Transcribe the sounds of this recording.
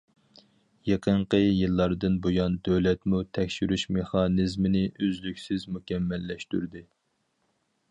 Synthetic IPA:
jeqʰəɴqəjɨlˠːɑɾd̪ɨnbojɑnd̪øwlɛt̪mut̪ʰɛkʲʃyɾyʃmeχɑnɨzmɪnɪʔøzlykʲsɪzmukʲɛmːɛlːɛʃt̪y̰ɾd̪ɪ

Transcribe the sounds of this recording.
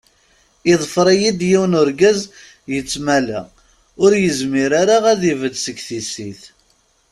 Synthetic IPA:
ɪðˤfɾˤijid̪jiwnʊɾɡæz | jət͡sːmælæ̰ | ʊɾjəzmiɾaɾaʁæðivəd̪səɡθisiθ

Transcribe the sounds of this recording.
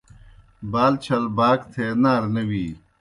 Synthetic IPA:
baːlt͡ɕʰɐlbaːkt̪ʰeːnaːɾnɐwiː

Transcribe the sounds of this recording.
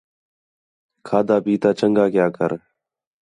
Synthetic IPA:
kʰaːd̪aːpiːt̪aːt͡ʃəŋɡaːkjaːkəɾ

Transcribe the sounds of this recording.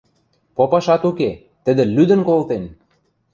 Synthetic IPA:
popɑʃɑt̪uke | t̪ə̆d̪ĕlyd̪ə̆nkolt̪en

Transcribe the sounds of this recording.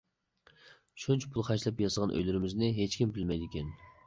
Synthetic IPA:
ʃunt͡ʃʰɛ̥pʰulˠχɑjʃlˠɛpjɑsəʁɑnʔø̰jlɪɾɪmɪznɪɦet͡ʃkʲimbɪlmɛjd̪ɪkʲɛn

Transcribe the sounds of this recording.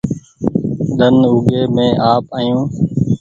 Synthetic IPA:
ɗ̪ənʊːɠeːmẽːʔaːpaːjũː

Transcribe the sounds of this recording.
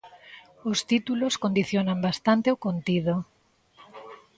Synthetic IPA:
ost̪it̪uloskond̪iθjonambast̪ant̪eokont̪iðo

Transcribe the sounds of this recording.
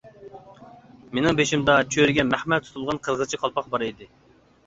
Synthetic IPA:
menɪŋbeʃimd̪ɑt͡ʃʰøɾɪɡʲɛmæχmɛt̪ʰu̥t̪ʰulˠʁɑnqʰəɾʁət͡ʃʰiqʰɑlˠpʰɑqbɑɾɨjd̪ɨ

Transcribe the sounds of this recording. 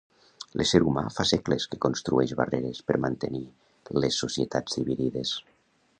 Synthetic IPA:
lʔeseɾuma̰fasɛkleskekonst̪ɾuɛʒβa̰reɾespəɾmant̪eni | lesːosiet̪ad͡zðiβiðiðes

